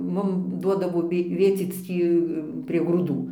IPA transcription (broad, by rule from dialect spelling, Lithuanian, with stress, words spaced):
ˈmʊm ˈduɔdɐʋoː ˈʋʲeː ˈʋʲeːt͡sʲiːt͡s ˈtʲiː pʲrʲiɛ ɡruːˈduː